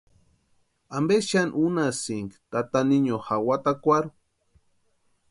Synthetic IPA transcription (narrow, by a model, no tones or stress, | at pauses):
ambeʃanʔunasiŋkt̪at̪aniɲohawat̪akʷaɾu